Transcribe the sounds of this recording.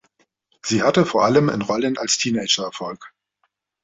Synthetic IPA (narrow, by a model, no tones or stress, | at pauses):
z̥iːhatəfoːɐʔaləmɪ̰nʁɔlənʔa̰lstʰiːnɛɪd͡ʒɐɛɐfɔlk